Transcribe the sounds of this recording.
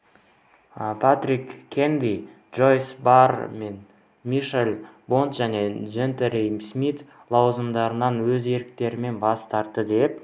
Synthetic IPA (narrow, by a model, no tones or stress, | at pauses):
pʰat̪rikʲʰːend̪idʒo̞jsbarmen | miʃelʲbo̞nt̪ʒæne̞ʒent̪eɾejmsmit̪ | lˠɑwzəmd̪ɑɾənɑnwɵze̞ɾɪk̚t̪e̞ɾɪme̞nbɑst̪ɑɾt̪ːəd̪e̞p̚